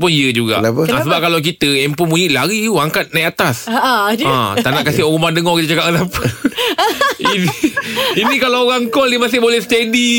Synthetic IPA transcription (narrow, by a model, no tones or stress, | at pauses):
pʊniəd͡ʒuɡa̰ʔapəasəbap̚kalawk̬it̪əɛmpumũɲiʔlaɾiuaŋkat̪̚najat̪asãt̪anaʔkasɪɦɔɣumahdəŋɔhkit̪ət͡ʃakaʔ̚kasapə | iniinĩkalawoɣaŋkɔlimasɪbolɛhst̪ɛdi